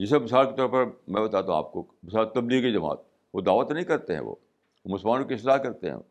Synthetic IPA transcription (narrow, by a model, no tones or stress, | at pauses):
jɪs̬ɐbɪsaːɾkit̪ɔɾpɐɾmɛ̃bɐt̪aːt̪aũa̰ːp̚ko | bɪsaːɾt̪ɐbliːɣkid͡ʒɐma̰ːt̪̚ | ʋod̪aːʋət̪nɐɦĩkɐɾt̪eɦɛ̰̃ʋo̰ː | omʊsəlmaːnkokɪsɾaːkɐɾt̪ḛɦɛ̰̃